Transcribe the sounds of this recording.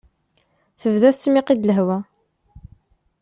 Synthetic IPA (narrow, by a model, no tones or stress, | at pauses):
θəvðæθt͡sːmɪqid̪ləɦwæ